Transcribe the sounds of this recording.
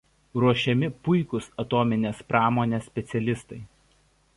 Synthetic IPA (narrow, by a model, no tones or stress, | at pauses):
ɾuɔʃʲɛmʲɪpʊɪkʊsɐt̪oːmʲɪnʲeːspɾɑːmoːnʲeːsʲpʲɛt̪sʲɛlʲɪst̪ɐɪ